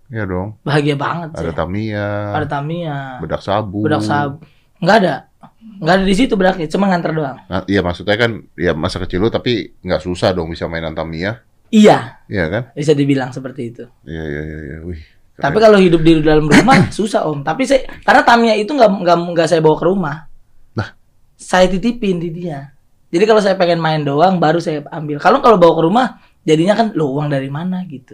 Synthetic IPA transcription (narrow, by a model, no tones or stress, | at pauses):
jadɔŋbaɦaɡiabaŋət̪̚sa̰dat̪amiaadat̪amiabədaksabubədaksabu | ŋɡaːda | ŋɡaːdadis̬it̪ubədak̚ɲat͡ʃumanŋant̪ərdoaŋaijamaksut̪saakanjamasakət͡ʃilut̪apiŋɡaʔsusahdɔaŋbisamainant̪amia | ijaijakanbis̬adibilaŋsəpərt̪iːt̪u | ija̰ja̰ja̰ja̰uh̪ | ap̬ikalohidʊp̚diɾidaləmrumahsusaʔɔmt̪apisajkarnat̪amiait̪uŋɡaŋɡaŋɡaʔsajabawakəɾumah | nah | sajat̪it̪ipɪndidia | d͡ʒadikalos̬ajapəŋɛnmaɪndoaŋbaɾusajaambɪlkalokalobawakəɾumah | d͡ʒadiɲakanlouwaŋdaɾimanaɡit̪u